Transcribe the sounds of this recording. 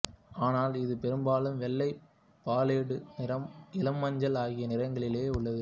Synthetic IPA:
aːnaːlɪðɯpɛɾɯmbaːlɯmʋɛlːɐɪ | paːleːɽɯnɪɾɐmɪlɐmːɐɲd͡ʒɐlaːɣɪjɐnɪrɐŋɡɐɭɪleːʊɭːɐðɯ

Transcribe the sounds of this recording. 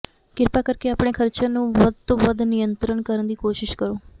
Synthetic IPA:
kɪɾpaːkəɾkeːaːpɳ̃eːkʰəɾt͡ʃãːnũːʋəd̪̚t̪õːʋəd̪nɪjənt̪ɾəɳkəɾənd̪iːkoːʃɪʃkəɾoː

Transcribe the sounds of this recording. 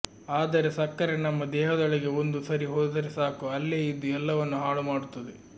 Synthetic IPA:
aːd̪ɐɾesɐkːɐɾenɐmːɐd̪ɛːɦɐd̪ɐɭɐɡe̞ond̪usɐɾiɦoːd̪ɐɾesaːkuɐlːeːid̪ːuɛlːɐʋɐnːuɦaːɭumaːɽut̪ːɐd̪e

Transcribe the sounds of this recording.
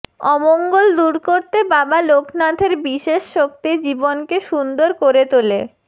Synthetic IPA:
ɔmoŋɡold̪uɾkoɾt̪ebabalokʰnad̪ʱeɾbiʃeʃʃok̚t̪id͡ʑibonkeʃund̪oɾkoɾet̪ole

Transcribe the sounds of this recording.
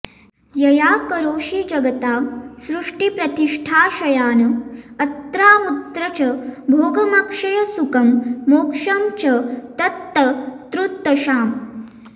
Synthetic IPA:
jɐjaːkɐɾoːʃid͡ʒɐɡɐt̪aːsɾuʂʈipɾɐt̪iʂʈʰaːʃɐjaːnɐɐt̪ɾaːmut̪ɾɐt͡ʃɐbʱoːɡɐmɐkʂɐjɐsukɐmːoːkʂɐmt͡ʃɐt̪ɐt̪ːɐt̪ɾut̪ːɐʃaːm

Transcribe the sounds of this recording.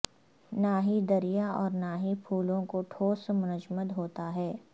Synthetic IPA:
naːɦid̪ɐɾijaɔːɾnaːɦipʰuːlõkoʈʰoːsmʊnəd͡ʒməd̪ɦoːt̪aɦɛː

